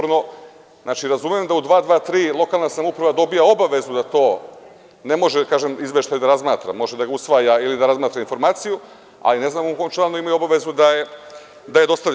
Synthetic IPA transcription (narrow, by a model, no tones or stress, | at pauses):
ɾno̞ | znʔaːt͡ʃiɾazumemd̪aud̪ʋaːd̪ʋaːt̪ɾiːlˠo̞kaːlˠnasamupɾaʋad̪o̞bijaobaʋe̞zud̪at̪o̞ː | ne̞mo̞ʒekaːʒemizʋe̞ʃt̪aːjud̪aɾazmaːt̪ɾa̰mo̞ʒed̪aɡausʋaːjailid̪aɾazmaːt̪ɾainfo̞ɾmaːt̪siju | a̰line̞znaːmomkomt͡ʃanoimajuo̞baʋe̞zud̪aje | d̪aje̞d̪o̞st̪aʋʎ